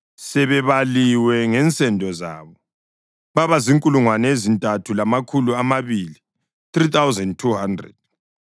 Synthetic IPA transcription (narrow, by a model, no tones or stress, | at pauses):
sɛβɛβaliwɛŋɛnt͡sʼɛndʱɔza̰ːβɔ | βaβaziŋkʼuluŋwanɛezintʼatʰulamakʰuluamaβili | θrit̪ʰawzɛndtʰuhandrɛ̰d̥̚